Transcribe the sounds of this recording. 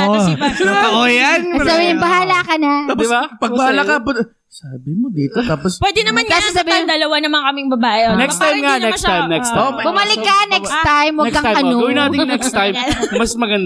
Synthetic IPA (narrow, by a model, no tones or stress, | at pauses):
o | ojansabihɪnbɐɦaːlakɐnɐaːdɪbapɐbɐhaːlakɐp̪ | saːbɪmod̪iːt̪ot̪aːpospwɛːd̪ɛnɐmankaːsosɐbiːhɪnd̪ɐlɐwanɐmɐŋkɐmɪŋbɐbaːʔɛnɛkst̪ajmŋanɛsajmnɛkst̪ajmbʊmɐlɪkːɐnɛkst̪ajmwɐɛɡɐajɐnoɡɐwɪnaːɪŋnɛkst̪ajmmɐsmɐɡɐnd̪